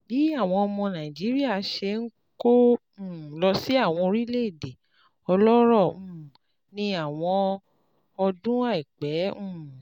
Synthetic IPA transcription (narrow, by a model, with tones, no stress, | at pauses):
bi˨˦a˦˨w̃ɔ̃˧ɔ˧mɔ̃˧nã˨ĩ˨d͡ʒi˨˦ɾi˦a˦˨˦ʃe˧ŋ̩˦ | kõ˦˨ | lɔ˧si˦a˦˨w̃ɔ̃˧ɾi˦le˦i˦˨de˨ | ɔ˧lɔ˦ɾɔ̃˦˨ | nĩ˧a˦˨w̃ɔ̃˧ | ɔ˧dũ˦a˦˨i˨k͡pɛ̃˨˦˨